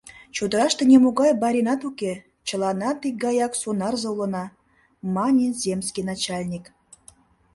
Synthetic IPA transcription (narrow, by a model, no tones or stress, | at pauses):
t͡ɕud̪əɾɑʃt̪ɤ̆nʲemuɡɑjbɑɾʲinɑt̪ukʲe | t͡ɕə̆lˠɑnɑt̪ik̚ɡɑjɑksonɑrzɤ̆ulə̆nɑ | mɑnʲizʲemʲsʲkʲinɑt͡ɕɑlʲnʲik